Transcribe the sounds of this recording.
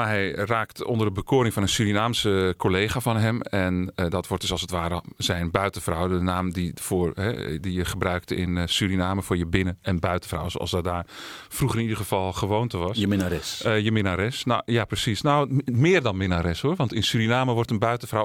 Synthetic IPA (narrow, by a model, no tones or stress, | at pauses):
maɦɛjraːktɔ̰ndərdəbəkʰoːɾɪŋfɔnənsyɾinaːmsəkʰolejχaːfɔnɦɛmɛndɔtʋɔrtd̥əsɑlˠsətʋaːɾəzɛjnbœɥtəfrɔwdənaːmdifʊːrɦɛdijəχəbrœɥktɪ̰nsyɾinaːməfʊːɹjəbɪnəɛnbœɥtəfrɔ̰wso̰ʔɔ̰lsdɔdaːfruχərɪnidəɣəfɑlˠxəʋoːntəʋɑsəɪnaɾɛsjəmɪnaɾɪsnojaprəsisnowmɪːrdɔnmɪnaɾɪshoərʋɑntɪnsyɾinaːməʋɔrtənbœɥtəfrɔw